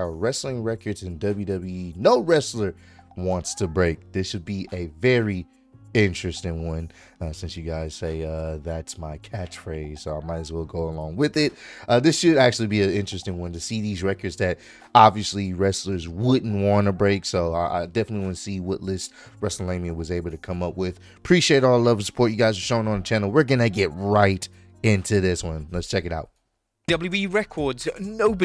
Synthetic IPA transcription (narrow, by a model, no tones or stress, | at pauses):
ɹɛslɪ̃ŋɹɛkə˞dzɨ̃ndʌbljʉdʌbljinoʊɹɛslə˞ | wɑ̃ntstʰɨbɹeɪk̚ðɪsʃɨd̚biʔɨvɛɹi | ɪ̃nt͡ʃɹ̥ɨstɪ̃ŋwʌ̃n | ʌsɪ̃nsjɨɡaɪz̥seɪʌðætsmaɪkʰæt͡ʃfɹeɪz̥soʊaɪmaɪɾɨzwɛlˠɡoʊəlɔ̃ŋwɪðɪt̚ʔʌðɪsʃɨɾ̩æk̚t͡ʃʉl̩ˠibiɨɪ̃nt͡ʃɹ̥ɨstɪ̃ŋwʌ̃ntɨsiðizɹɛkə˞dzðɨɾ | ɑbviɨsliɹɛslə˞zwʊdⁿn̩ʔwɑ̃nəbɹeɪksoʊʔa̰dɛfənətˡliwʌ̃nsiwʌtˡlɪst̚ | ɹɛsl̩lẽɪ̃miɨwʌzeɪbl̩ˠtɨkʰʌ̃mʌpwɪð̥ | pʰɹ̥iʃieɪɾɔlˠəlʌvə̃sə̥pʰɔɹt͡ʃɨɡaɪzə˞ʃõʊɪ̃ŋə̃nðət͡ʃʰænl̩ˠwɪɹɡʌnɨɡɛt̚ɹaɪɾ | ɪ̃ntʰʉðɪswʌ̃nlətst͡ʃʰɛkɨɾaʊt̚ | d̥ʌbl̩ˠjuiɹɛkʰɔɹdz̥noʊb